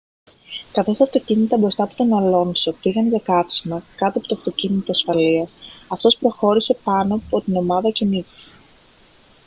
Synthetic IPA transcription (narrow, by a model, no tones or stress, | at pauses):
kɐθo̞st̪ɐft̪o̞cinit̪ɐbɾo̞st̪ɐpu̥t̪o̞nɐlo̞nso̞piɣɐnʝɐkɐfsimɐkɐt̪oɐpot̪oɐft̪o̞cinit̪oɐsfɐliɐsɐft̪o̞spɾo̞xo̞ɾise̞pɐno̞ːpo̞t̪ino̞mɐðɐcenitu̥s